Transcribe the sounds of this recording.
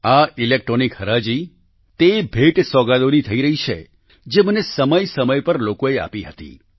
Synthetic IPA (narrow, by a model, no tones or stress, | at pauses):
ailek̚ʈɾonikhəɾad͡ʒi | t̪ebʱeʈsɔɡad̪onit̪ʰəiɾəɦit͡ʃʰḛ | d͡ʒemənesəməjsəməjpəɾlokoea̰piɦət̪ḭ